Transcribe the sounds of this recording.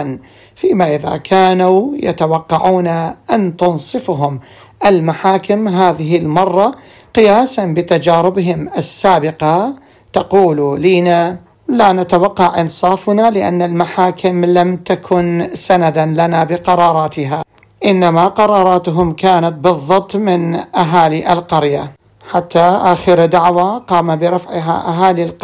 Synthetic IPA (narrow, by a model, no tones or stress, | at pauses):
n | fiːmaʔɪða̰kʰaːnuːja̰t̪awɑqːɑʕuːnaʔant̪ʊnsˤɨfɦʊm | ʔalmaħaːkɪmɦaːðɪɦɪlmɑrˤːɑ | qɪjaːsanbɪt̪ad͡ʒaːɾɪbɦɪmʔasːaːbɪqɑ | t̪ɑquːluliːna | laːnat̪awɑqːɑʕʔɪnsˤɑːfnalɪʔa̰nːalmaħaːkʰɪmlamt̪akʰʊnsanad̪anlanabɪqɑɾˤɑːɾˤɑːt̪ɪɦa | ʔɪnːamaqɑɾˤɑːɾˤɑːt̪ɦʊmkaːnat̪̚bɨðˤːɑt̪ˤːmɪnʔaɦaːliʔɪlqɑɾja | ħat̪ːaʔaːxəɾd̪aʕwaqɑːmabɪɾˤɑfʕɪɦa̰ʔaɦaːlilq